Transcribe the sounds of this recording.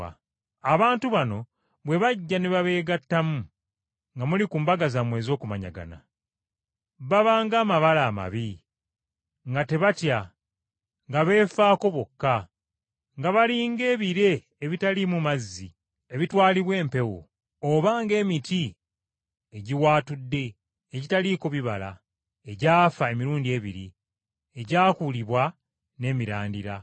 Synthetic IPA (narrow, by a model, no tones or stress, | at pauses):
a̰ | aβaːntuβano̞ | βwe̞βaɟːaneβaβe̞ːɡatːamu | ŋɡamulikuːmbaɡazamwe̞ːzo̞ːkumaɲa̰ɡa̰na̰ | βaβaːŋɡaːmaβalaːma̰βi | ŋɡate̞βatja | ŋɡaβe̞ːfaːko̞βo̞kːa | ŋɡaβaɾiːŋɡe̞ːβiɾe̞ː | βitalimumazːi | e̞βitwaːliβwe̞ːmpe̞wo̰ | oβaːŋɡe̞ːmiti | eɟiwaːtudːe̞ː | ɟitaliko̞βiβa̰la̰ | e̞ɟaːfae̞miɾuːndie̞ːβḭɾḭ | eɟaːkuliβwa | ne̞ːmiɾaːndiɾa̰